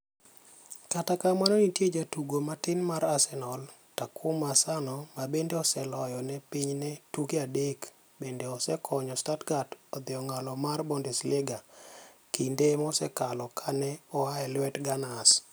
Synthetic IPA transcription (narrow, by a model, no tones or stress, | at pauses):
katakamanɔnitjed͡ʒatuɡomatɪnmaɾasɛnɔl | takʰʊmasanɔmabendeɔsɛlɔjɔnɛpiɲnɛtukiadek | bendeɔsɛkʰɔɲɔstatɡatɔd̪ɪɔŋalɔmarbɔndɛslɪɡakindemɔsɛkalɔkʰanɛɔaɛlwɛtɡanas